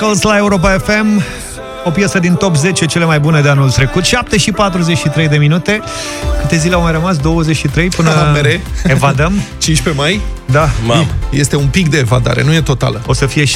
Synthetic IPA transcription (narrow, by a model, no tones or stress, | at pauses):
kəlslae̞uɾo̞p̬aefe̞m | o̞pjasəd̪int̪o̞pze̞t͡ʃe̞t͡ʃe̞le̞majbune̞d̪eanult̪ɾe̞kut̪ʃap̚t̪e̞ʃipat̪ɾuzet͡ʃʃit̪ɾe̞jd̪e̞minut̪e̞ | kɨt̪e̞zileawmajrəmas̬d̪o̞wəzet͡ʃʃit̪ɾe̞jpɨnəeɾeevad̪əmt͡ʃinʃʲpe̞maj | d̪ajest̪e̞umpik̚d̪e̞ːva̰d̪a̰ɾe̞̰nuje̞t̪o̞t̪a̰ləo̞səfije̞